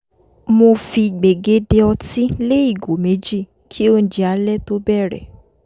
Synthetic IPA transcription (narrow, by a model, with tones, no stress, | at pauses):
mo˧fi˧ɡ͡be˨ɡe˨˦de˧ɔ˧tĩ˦le˦i˦˨ɡo˨me˨˦d͡ʒi˦˨ | kʰi˦o˧n̩˨d͡ʒi˨a˨˦lɛ˦to˦bɛ˦˨ɾɛ̰˨